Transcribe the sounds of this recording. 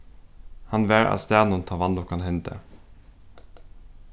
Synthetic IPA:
hɑnʋeːɾʔɑ̰st̪æːnɔnt̪ʰɑʋɑnd̪ʊkʰɑnhɛnt̪ə̰

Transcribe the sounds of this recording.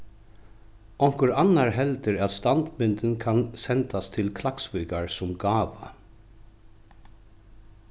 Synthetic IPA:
ɔŋ̥kʊɾanːaɹɦɛlt̪əɾat̪st̪ant̪mɪnt̪ɪnkʰansɛnt̪ast̪ʰɪlkʰlaksvʏːkaɹsʊmɡaːʋa̰

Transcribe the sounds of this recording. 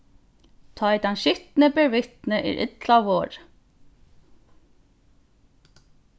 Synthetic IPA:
t̪ʰɑːiːd̪ɛnʃʏt̪n̩əbəʋɪt̪n̩əʔḭːɾʔɪ̰t̪lɑʋoːɹ

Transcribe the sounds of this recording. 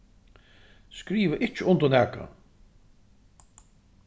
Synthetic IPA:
skɾiːʋəʔɪt͡ʃɪʊnt̪ɔnɛːka̰

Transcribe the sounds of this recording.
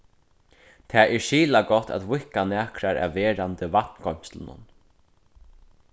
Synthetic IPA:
t̪ʰɛːʔɛɹʃiːlakɔt̪ːa̰t̪vʊhkanɛːkɾaɾa̰vɛːɾant̪əvaht̪nkɔm̥st̪lənʊ̰n

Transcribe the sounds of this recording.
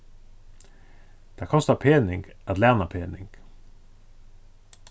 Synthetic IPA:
d̪̥æːkʰɔst̪ɑpʰeːnɪŋɡ̥ʔɑt̪læːnɑpʰeːnɪŋɡ̥

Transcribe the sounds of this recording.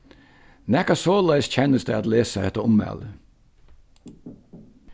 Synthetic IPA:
nɛkɑsoːlæɪsçʰɛnəsd̪ɛɑt̪leːsəɛt̪əʊmɛ̰lə

